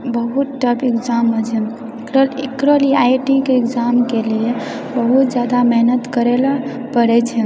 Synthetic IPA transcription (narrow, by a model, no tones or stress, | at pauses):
bəɦut̪̚ʈəpekd͡ʒamːət͡ʃʰɛ | kɾəlekɾəliajʈikeekd͡ʒamkelie | bəɦut̪d͡ʒjad̪amɛɦnət̪kəɾela | pəɾɛt͡ʃʰɛ